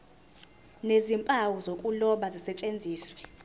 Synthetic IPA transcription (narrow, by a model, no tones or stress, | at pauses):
nezimpʼawuzokʼulɔɓazisɛt͡ʃʼend͡zʱiːswɛ